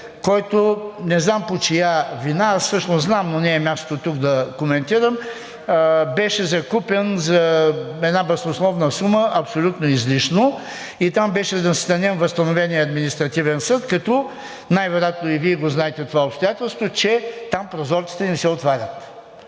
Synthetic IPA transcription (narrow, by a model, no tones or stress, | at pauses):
kɔjt̪onɛznampot͡ʃijavinaassɤʃnoznamnonɛːmʲast̪ot̪ot̪ukd̪ɐkomɛnt̪iɾəm | bɛʃɛzɐkupɛnzɐɛd̪nabɛsoslˠɔvnəsuməʔɐpsolʲut̪noizliʃno | it̪ambɛʃɛd̪ɐsit̪ɐnʲɛmvɐst̪ɐnovɛniəɐd̪minist̪ɾɐt̪ivɛnsɤt̪kɐt̪ɔ | najvɛɾjat̪noiviɛɡoznaɛt̪ɛt̪ovaopst̪oʊjat̪ɛlˠst̪vot͡ʃɛt̪ampɾozɔɾt̪i̥t̪ɛnisɛot̪vaɾʲɐt̪